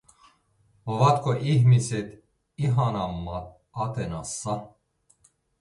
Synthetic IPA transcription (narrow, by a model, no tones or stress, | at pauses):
vat̪kʰɔʔihmisɛt̪ | iɦanamːat̪̚ | at̪ʰɛnasːa